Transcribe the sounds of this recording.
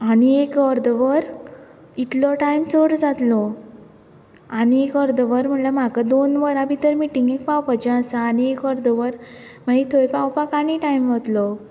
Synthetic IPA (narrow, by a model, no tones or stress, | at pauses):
aniekɔɾd̪ʋəɾ | it̪lɔʈajmt͡sɔɽd͡zat̪lɔ | aniekəɾd̪əʋəɾm̤əɳlam̤akəd̪onʋəɾãbʱit̪əɾmiʈiŋɡek̚pawpat͡ɕə̃asaːɽiekəɾd̪əʋəɾ | mait̪ʰojpawpakaɽ̃iʈaimʋat̪lɔ